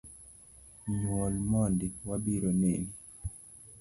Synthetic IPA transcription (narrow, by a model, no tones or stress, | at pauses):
nwɔlmɔndiwabiɾɔneni